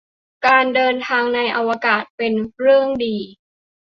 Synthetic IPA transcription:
kaː˧ndɤː˧nt̪ʰaː˧ŋna˧jʔa˧wa˧kaː˨˩t̪̚pe˧nɾɯ˥˩əŋdiː˧

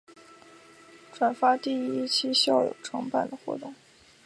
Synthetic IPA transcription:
ʈ͡ʂʰwa˨˩nfa˥t̪i˥˩i˥t͡ɕʰi˥ɕjɑ˥˩ʊjo̰˨˩ʈ͡ʂʰɤ˧˥ŋpa˥˩nd̪ə˩xwɔ̰˥˩t̪ʊ˥˩ŋ

